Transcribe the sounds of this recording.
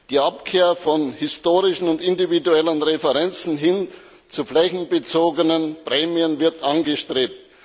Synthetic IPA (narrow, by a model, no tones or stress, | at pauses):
d̥iːʔapkʰeːɐfɔnhɪstoːʁɪʃn̩ʊntɪndividuɛlənʁefəʁɛnt͡sn̩ɦɪn | t͡suflɛçn̩bət͡soːɡənənpʁɛːmiənvɪɐtʔanɡəʃtʁ̥eːp̚t